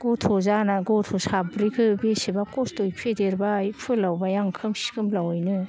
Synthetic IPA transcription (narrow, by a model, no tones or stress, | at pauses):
ɡ̥otʰɔzanaɡɔtʰosabɾikʰɯbesibakɔstojpʰedeɾbajpʰɯlawbajaŋkʰɯmsi̥ɡɯmlawɔjnɯ